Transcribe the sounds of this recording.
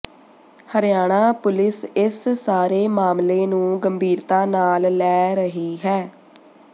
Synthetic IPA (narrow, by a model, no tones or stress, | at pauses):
həɾɪjaːɽ̃aːpʊlɪsɪssaːɾeːmaːmleːnũːɡəmbʱiːɾt̪aːnaːlːɛːɾəɦiːɦɛː